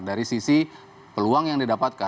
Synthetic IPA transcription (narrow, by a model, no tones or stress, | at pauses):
daɾisisi | pəluaŋjaŋdidapat̪̚ka